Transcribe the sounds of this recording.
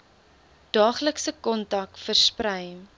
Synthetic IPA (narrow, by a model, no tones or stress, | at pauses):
d̥ɑːχləksəkɔntɐkfərsprəj